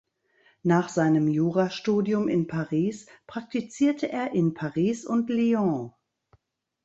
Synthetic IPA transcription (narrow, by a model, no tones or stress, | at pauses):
naːχz̥aɪnəmjuːʁaʃtuːdjʊmɪnpʰaʁiːspʁ̥ak̚tit͡siːɐtʰəʔeːɐʔɪnpʰaʁiːsʊntliɔ̃